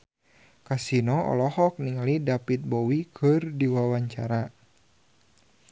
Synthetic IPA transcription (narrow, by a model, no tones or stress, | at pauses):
kasinɔɔ̰lɔhɔk̚niŋalidapit̪̚bɔwikʰɨrdiwawaɲt͡ʃaɾa